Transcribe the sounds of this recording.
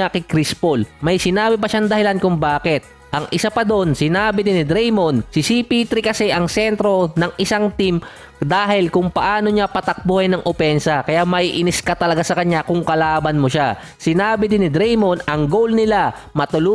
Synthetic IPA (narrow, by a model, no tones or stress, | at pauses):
akɪkɾispolmɐjsɪnaːbɪpɐʃaŋd̪ɐhɪlankʊŋbaːkɪt̪̚ | ʔɐŋʔɪsapɐd̪onsɪnaːbɪd̪ɪnɪd̪ɾɛjmonsɪsipit̪ɾɪkɐsɛʔɐŋsɛnt̪ɾo̞nɐŋʔɪsaŋt̪im | d̪aːɦɪlkʊŋpɐʔaːno̞ɲapɐt̪ɐk̚bʊhɪjnɐŋʔopɛnsɐkɐjamɐjʔɪnɪskɐt̪ɐlɐɡasɐkɐɲakʊŋkɐlaːbɐnmoʃa | sɪnaːbɪd̪ɪnɪd̪ɾɛjmonɐŋɡowlnɪla | mɐt̪ʊlu